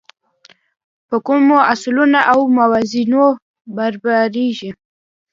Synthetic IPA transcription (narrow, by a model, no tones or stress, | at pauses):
pəkumoaslunaʔawmawazino | baɾbaɾiʒi